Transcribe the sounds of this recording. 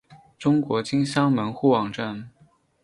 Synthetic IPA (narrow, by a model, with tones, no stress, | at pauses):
ʈ͡ʂʊ˥ŋkwɔ˧˥t͡ɕi˥ŋɕjɑ˥ŋmə˧˥nxu˥˩wɑ˨˩ŋʈ͡ʂa˥˩n